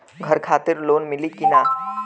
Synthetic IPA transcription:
ɡʱəɾkʰat̪iɾlonmilikina

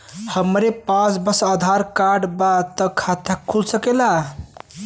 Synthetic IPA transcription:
həmɾepas̬bəsəd̪ʱaɾkaɾɖbat̪əkʰat̪ʰakʰːulsəkela

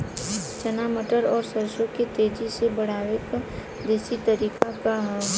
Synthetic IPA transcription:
t͡ʃənaːməʈəɾɔːɾsəɾʃoket̪eːd͡ʒisebəɽ̤aːʋeka | d̪eːsit̪əɾiːkakaɦ

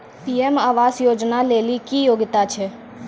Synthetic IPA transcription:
piːemaːʋaːsjoːd͡ʒnaleːlikijoːɡɪt̪at͡ʃʰe

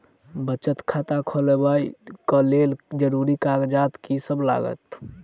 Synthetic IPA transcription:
bət͡ʃət̪kʰat̪akʰəlebaikəleld͡ʒəɾuɾikaɡd͡ʒat̪kisəbla̰ɡə̰t̪

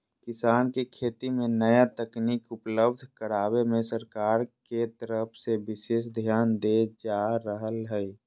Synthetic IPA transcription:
kɪsaːnkekʰeːt̪imẽnəjat̪əkniːkʊpləb̚d̪ʱkəɾaːwemẽsəɾkaːɾket̪əɾəpʰsebɪʃeːs̬d̪ʱjaːnd̪ed͡ʒaɾəɦəlɦəi

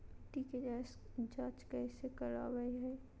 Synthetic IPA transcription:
ʈiːked͡ʒasd͡ʒãːt͡ʃkɛːsekəɾa̰ːʋəiɦɛː

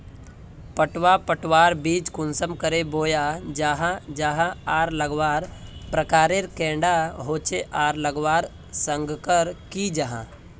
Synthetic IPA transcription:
pəʈwapəʈwaːɾbiːd͡ʒkʊnsəmkəɾeboːjad͡ʒaːɦãd͡ʒaːɦãaːɾləɡʋaːɾpɾəkaːɾeɾkɛ̃ːɳɖaɦoːt͡ʃeʔaːɾləɡʋaːɾ | sə̃ŋɡkəɾkid͡ʒaɦã̰

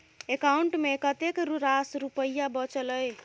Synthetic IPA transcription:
ekauɳʈmekət̪ekɾuɾasɾupəjabət͡ʃələj

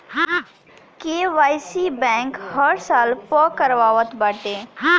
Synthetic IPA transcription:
keːʋaːjsibɛ̃ːkhəɾsaːlpɔkəɾʋaːʋət̪baːʈeː

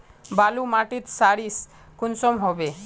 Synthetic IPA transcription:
balumaʈit̪saɾis | kunsɔmɦɔbe

